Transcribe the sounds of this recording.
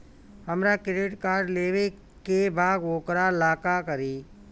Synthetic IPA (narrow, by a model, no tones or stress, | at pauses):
həmɾakɾɪɖɪʈkaːɾɖleːʋe | kebaːɡoːkɾalaːkakəɾiː